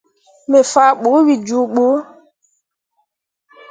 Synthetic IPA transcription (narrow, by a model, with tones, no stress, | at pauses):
me˨fa˨˦ɓo˨˦wi˨d͡ʒu˨˦ɓo˨˦